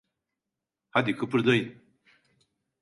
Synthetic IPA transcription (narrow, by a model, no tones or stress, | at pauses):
had̪ikʰɯpɯɾd̪oj